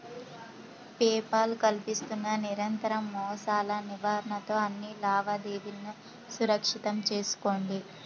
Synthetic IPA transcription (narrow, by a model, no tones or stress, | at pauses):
pɛːpaːlukɐlpist̪unːɐniɾɐnt̪ɐɾɐmːɔːsaːlɐniʋaːɾɐɳɐt̪o̞ːɐnːilaːʋɐd̪eːʋinːu | suɾɐkʂit̪ɐmt͡ʃe̞ːsu̥ko̞ːɳɖi